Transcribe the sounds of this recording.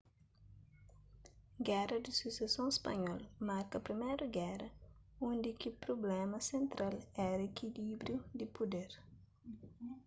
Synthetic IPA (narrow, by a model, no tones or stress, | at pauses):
ɡɛɾɐd̪isusesõespɐ̰ɲɔlmaɾkɐpɾimɛjɾuɡɛɾɐõnd̪ikipɾoblɛmɐsẽnt̪ɾalɛɾekʰilibɾjud̪ipod̪eɾ